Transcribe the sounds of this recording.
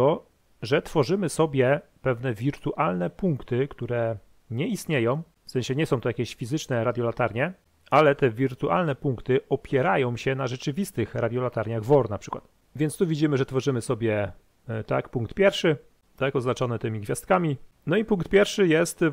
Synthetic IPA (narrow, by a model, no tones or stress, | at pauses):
ɔ | ʐɛt̪fɔʐɘmɘsɔbʲjɛ | pɛvnɛvʲiɾt̪uʔalnɛpuŋkt̪ɘkt̪uɾɛ | ɲɛist̪ɲejɔ̃w̃ | fsɛɲ̃ɕɛɲɛsɔ̃w̃t̪ɔjakʲeɕfʲizɘt͡ʂnɛɾad̪ʲjɔlat̪aɾɲɛ | alɛt̪ɛvʲiɾt̪uʔa̰lnɛpuŋkt̪ɘɔpʲjɛɾajɔ̃w̃ɕɛnaʐɛt͡ʂɘvʲist̪ɘxɾad̪ʲjɔlat̪aɾɲaɣvɔɾnapʂɘ̥kwa̰t̪ | vʲjɛntst̪uvʲid͡ʑimɘʐɛt̪fɔʐɘmɘsɔbʲjɛ | t̪a̰kpuŋk̚t̪pʲjɛɾfʂɘ | t̪akɔznat͡ʂɔnɛt̪ɘmʲiɡvʲjast̪̚kamʲi | nɔipuŋk̚t̪̚pʲjɛɾfʂɘjɛst̪